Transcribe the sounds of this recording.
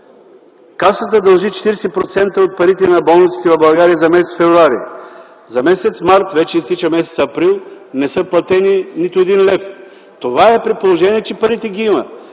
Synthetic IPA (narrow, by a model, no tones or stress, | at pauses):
kasət̪əd̪ɐlˠʒit͡ʃɛ̥t̪iɾsɛpɾot̪sɛnt̪əot̪̚pɐɾit̪ɛnɐbɔlˠnit̪si̥t̪ɛvɐbɐlˠɡaɾiəzɐmɛsɛt̪fɛvɾʊaɾḭ | zɐmɛsɛt̪smaɾt̪vɛt͡ʃɛist̪it͡ʃəmɛsɛt̪sɐːpɾilˠ | nɛsɤplˠɐt̪ɛninit̪ʊɛd̪inlɛf | t̪ovaɛpɾɛt̪̚polˠoʒɛniɛt͡ʃɛpɐɾit̪ɛɡiimə